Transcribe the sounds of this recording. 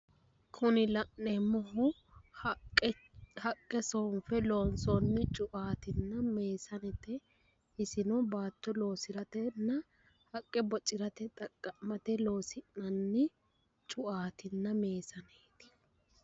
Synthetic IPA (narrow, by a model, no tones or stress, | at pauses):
kʰʊnɪlɐʔːɛmɔɦʊ | hɐkʼːɛsɔːnfɛloːnsɔnːɪt͡ʃʼʊʔaːt̪ɪnːɐme̞ːsɐnɛt̪ɛ | ɪsɪnɔbaːt̪ːɔlo̞ːsɪɾɐt̪ɛnːɐ | hɐkʼːɛbɔt͡ʃʼːɪɾɐt̪ɛt̪ʼɐkʼːɐmɐt̪ɛlo̞ːsɪnːɐnːɪ | t͡ʃʼʊʔaːt̪ɪnːɐme̞ːsɐneːt̪ɪ̥